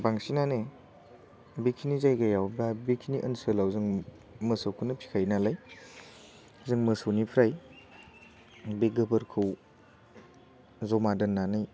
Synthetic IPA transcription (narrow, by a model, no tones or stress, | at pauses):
baŋsinane | bikʰinizajɡajawbabikʰiniʔənsəlawzɯŋ | mɯsowkʰɯnɐpʰi̥kʰajnalaj | zɯŋmɯsownipʰɾaj | beɡɯbɐɾkʰɯw | zomadɐnːanɯj